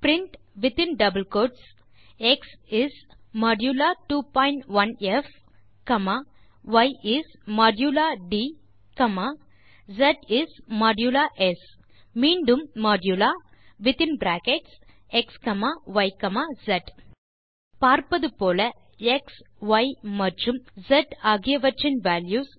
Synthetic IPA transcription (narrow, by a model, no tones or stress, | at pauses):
pɾiɳʈ | ʋit̪ĩnɖɐbəlkoːɖs | eksismɔːɖjulaʈuːpɔ̃jɳʈʋɐnef | kɐma | ʋɐjʔismaːɖjulaɖiː | kɐma | zɐʈismaːɖjulaʔes | miɳɖumːɔɖjulaʋit̪inbɾækeʈs | ekskɐmaʋɐjkɐmazɐʈ | paːɾpɐd̪upoːlɐ | eks | ʋajmɐɾd͡ʒumzɐʈaɡijɐʋɐɾt͡ʃinʋæljuːz